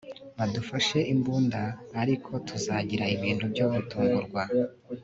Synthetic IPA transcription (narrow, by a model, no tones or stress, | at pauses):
βadufaʃe̞ʔimbuːndaːɾikʰo̞tʰuzaɟiɾaiβiːnhubɟoːβutuːŋɡuɾɡwa